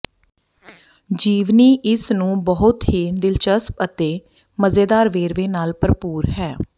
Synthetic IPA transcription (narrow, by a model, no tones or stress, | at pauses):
d͡ʒiːʋniːʔɪsnũːbəɦʊt̪ɦiːd̪ɪlt͡ʃəspət̪eː | məzeːd̪aːɾʋeːɾʋeːnaːlpəɾpuːɾɦɛː